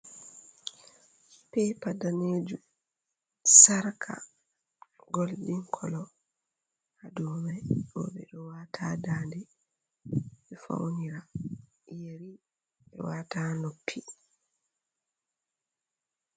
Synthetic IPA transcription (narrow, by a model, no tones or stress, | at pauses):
pɛpadaneːd͡ʒu | saɾkʰa̰ | ɡɔldiŋkʰɔlɔ | adɔmajɔ̰ɓɛ̰ɗɔwaːtʰaːdaːndɛ | ɓɛfa̰wniɾa | jeɾi | ɓɛ̰wataːnopʰːi